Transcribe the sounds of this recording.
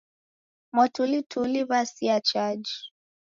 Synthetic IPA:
mɔtulitʰuliβasiat͡ʃad͡ʒi

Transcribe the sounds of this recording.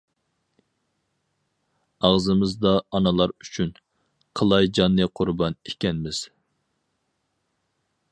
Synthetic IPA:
ɑʁzɨmɨzd̪ɑːnɨlˠɑɾyt͡ʃʰyn | qʰəlˠɑjd͡ʒɑnːɨqʰʊɾbɑnekʲɛnmɪz̥

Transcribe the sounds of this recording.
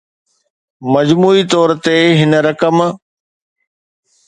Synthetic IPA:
mɐd͡ʑmuːit̪ɔːɾt̪eɦɪnɾɐkəm

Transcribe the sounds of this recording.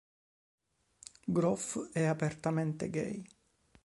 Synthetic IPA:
ɡɾɔfɛapert̪amɛnt̪ḛɡɛ̰j

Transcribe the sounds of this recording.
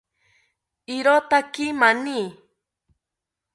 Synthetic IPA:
iɾot̪akimani

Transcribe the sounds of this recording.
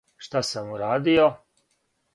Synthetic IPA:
ʃt̪asamuɾaːd̪io

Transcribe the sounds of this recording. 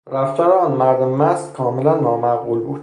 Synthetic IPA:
ɾæft̪ʰɒːɾnmæɾd̪emmæst̪kʰɒːmelænːɒːmæɣuːlbuːd̪̥

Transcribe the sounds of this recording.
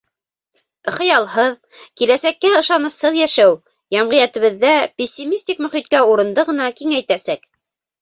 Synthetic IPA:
χɤ̆jɑlˠɦɤð | kilæsækːæɤ̆ʃɑnɤ̆shɤðjæʃæw | jɑmʁɤ̆jæt̪ɘ̆βɘ̆ðːæpʲɪsʲːimʲisʲt̪ʲikmɵ̆χit̪̚kæuɾɤ̆nd̪ɤʁɤ̆nɑkiŋæjt̪æsæk

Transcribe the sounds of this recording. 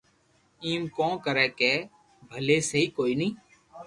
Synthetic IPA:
iːmkõːkəɾɛːkeː | bʱəleːsəɦiːkoːiːnəĩː

